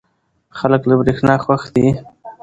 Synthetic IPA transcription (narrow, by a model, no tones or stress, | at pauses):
xaləklabɾexnɑxwaxd̪i